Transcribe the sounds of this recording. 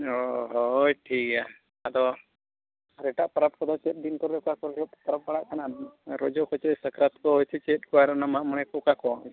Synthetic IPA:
oɦojʈʰika | ad̪ɔ | ɾɛʈaʔpəɾap̚kɔd̪ɔt͡ʃɛt̪̚ˀd̪inkɔɾɔkakɔɾɾɔt̪paɾap̚baɽaʔk̪ʰanaɾɔd͡ʒɔkʰɔt͡ʃɛsəkɾat̪kɔɦɔjt͡ʃʰɛt͡ʃɛt̪̚kɔaɾɔnamaʔməɽ̃ɛkɔkakɔ

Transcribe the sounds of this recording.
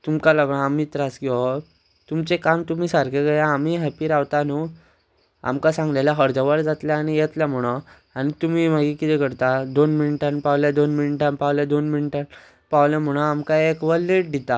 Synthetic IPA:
t̪umkalaɡɭãamit̪ɾasɡiɔ | t̪umt͡sekamt̪um̤iːsaɾkʰeɡəjaamiɦɛpiːɾaʋt̪anu | a̰mkasãŋɡlaljaɦəɾd͡zəʋəɾd͡zat̪ljaːñijɛt̪ljam̤əɽ̃ə | añit̪um̤iːm̤aɡikit̪ɛkəɾt̪ad̪onminiʈanpaʋljad̪onminiʈanpawljad̪onminiʈan | paʋljam̤əɽ̃əamkaekʋəlːeʈ̚d̪ʱit̪a

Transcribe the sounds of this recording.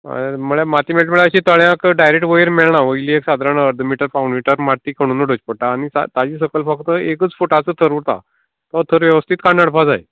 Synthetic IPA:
məɭemat̪iːmeɭʈməɭəɕiːt̪əɭjãkɖajɾek̚ʈʋəjiɾmeɭɳaʋəiliːeksad̪ɾanəɾd̪ʱəmiʈəɾfawuɳɖmiʈəɾmaɾt̪iːkʰəɽ̃uːnuɖət͡ɕpəɽʈaːñisa̰t̪ad͡ʑiːs̬əkəlfək̚t̪əekət͡sfuʈat͡sət̪ʰəɾuɾt̪a̰ | t̪ət̪ʰəɾʋjəʋəst̪ʰit̪kanːəɽpad͡za̰j

